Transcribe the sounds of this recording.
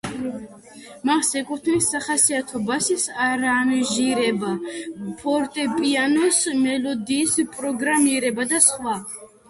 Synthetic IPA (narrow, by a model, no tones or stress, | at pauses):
masɛkʼut̪ʰnisːaχasiat̪ʰɔbasisaɾanʒiɾɛbapʰɔɾt̪ʼɛpʼianɔsmɛlɔd̪iːspʼɾɔɡɾamiɾɛbad̪asχwa